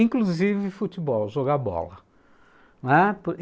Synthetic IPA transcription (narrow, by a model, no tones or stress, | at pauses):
ĩŋkluzivɪfut͡ʃibɔwʒoɡabɔ̰lɐ | nɛp